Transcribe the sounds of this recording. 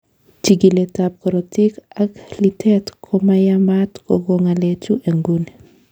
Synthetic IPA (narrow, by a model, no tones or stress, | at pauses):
t͡ʃiɡiletap̚kɔɾɔtikaklitʰɛtkʰomajamatkɔɡoŋalet͡ʃuʔeŋɡune